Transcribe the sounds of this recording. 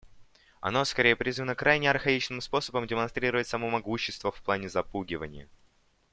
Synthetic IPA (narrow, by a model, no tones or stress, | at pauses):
ɐ̰no̞skɐɾʲejəpɾʲizvənəkɾajnʲɪɐrxɐit͡ɕnɨmspo̞səbəmdʲɪmɐnst̪ɾʲiɾəvət̚ʲsɐmo̞mɐɡuɕːɪst̪vəfplˠanʲɪzɐpuɡʲɪvə̰nʲɪ̰jə̰